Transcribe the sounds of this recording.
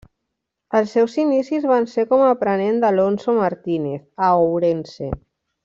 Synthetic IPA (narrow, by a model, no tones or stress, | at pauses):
əlˠsːɛwsinisizβansekomaːpɾənend̪alonsomaɾt̪ineθaowɾensḛ